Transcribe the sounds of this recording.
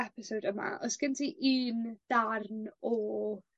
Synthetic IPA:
ɛpɪsowdəma̰ʔɔsɡ̥əntʰiʔiːnd̥arnɔ

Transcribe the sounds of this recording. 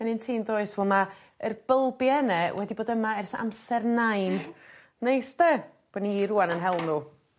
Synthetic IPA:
ɛnɨntʰiːndoːɨsvɔma | ərb̥əlˠbjɛnɛwɛdiboːdəmaɛrsa̰msɛrnajn | nejsde | b̥oːniːɾuanənɦɛlˠnu

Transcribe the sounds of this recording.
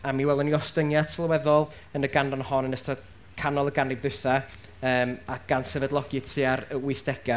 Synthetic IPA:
amiwɛlˠəniɔstəŋjatʰlˠəwɛðɔlˠ | ənəɡandɔnhɔnənəstʰa | kʰanɔlˠəɡanɪvðɨθa | əːmaɡ̥ansɛvɛdlˠɔɡɪtʰiaɾəwɪɨθd̥ɛɡ̥a

